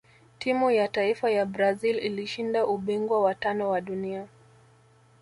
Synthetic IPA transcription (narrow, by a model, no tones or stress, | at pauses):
tʰimujataifajabɾazililiʃindaʔuɓiŋɡwawatanɔwaɗunia